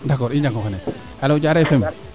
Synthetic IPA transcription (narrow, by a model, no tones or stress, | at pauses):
dakoɾiɲd͡ʒakokane | alod͡ʒaɾefem